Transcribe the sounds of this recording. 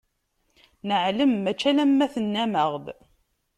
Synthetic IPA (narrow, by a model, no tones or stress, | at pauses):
nəʕləmːæt͡ʃːælæmːæθənːæməʁð